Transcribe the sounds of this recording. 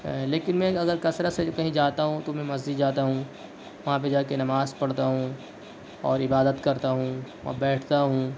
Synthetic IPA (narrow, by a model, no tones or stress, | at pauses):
leːkɪnmɛ̃ɐɡəɾkɐsɾasekɐɦĩd͡ʒaːt̪aɦũt̪omɛ̃mɐzd͡ʒid̪d͡ʒaːt̪aɦũ | ʋɐɦãp̬ed͡ʒaːkenɐmaːzpɐɽt̪aɦũː | ɔːɾɪbaːd̪ət̪kɐɾt̪aɦũːʋɐ̰̃bɛːʈʰt̪aɦũː